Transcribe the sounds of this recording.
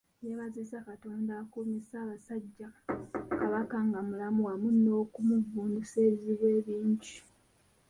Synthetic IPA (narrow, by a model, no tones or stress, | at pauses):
jeβazisakatoːndakomisaːβasaɟːakaβakaŋɡamulamuwamuno̞ːkumuvuːnduse̞ːβiziβe̞ːβiːɲɟi